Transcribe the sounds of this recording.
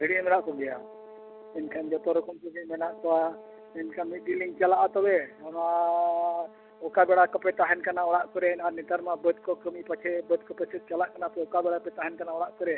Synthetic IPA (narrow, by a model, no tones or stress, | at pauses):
biɽimɛnaʔkɔɡɛja̰ | ɛnkʰand͡ʒɔt̪ɔɾɔkʰumkəmimɛnaʔkɔwa | ɛnkʰanmit̪̚diliŋt͡ʃalaʔat̪ɔbɛɔna | ɔkabɛɽakəpɛt̪aɦɛnkanaɔɽaʔkɔɾɛnaɾnit̪aɾmabəd̪̚kɔkəmipat͡ʃʰɛbəd̪̚kɔpɛsɛt̪̚ˀt͡ʃalaʔkanap̪ɔɔkabɛɽapɛt̪aɦɛnkanaɔɽaʔkɔɾɛ